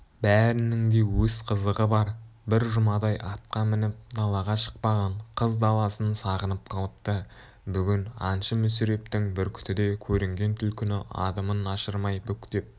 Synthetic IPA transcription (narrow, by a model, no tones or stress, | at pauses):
bæɾɪnɪŋd̪e̞wɵz̥qʰəzəʁəbɑɾbɪɾʒʊmɑd̪ɑjʔɑt̪̚qɑmɪnɪp̚d̪ɑlˠɑʁɑʃə̥q̚pɑʁɑɴqʰəzd̪ɑlˠɑsənsɑʁənəp̚qʰɑlˠəpt̪ə | bʏɡʲɪnɑ̰nʃəmʏsiɾe̞p̚t̪ɪŋbɪɾkʲʰʏ̥t̪ɪd̪e̞kʲʰɵɾɪŋɡʲe̞nt̪ʰʏlkʲʰʏnɪɑ̰d̪əmənɑʃəɾmɑjbʏkʲt̪e̞p̚